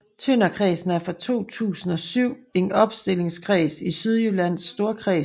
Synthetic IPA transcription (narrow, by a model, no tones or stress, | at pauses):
t͡sʰønɐkʰʁɛːsn̩æɐfɒt͡sʰo̝̰ːt͡sʰṵːsn̩ɒ̽syʊ̰e̝nɒ̽b̥sd̥e̝l̰e̝ŋskʰʁɛːsisyð̞ˠjylæn̰sd̥o̝ːɐkʰʁɛː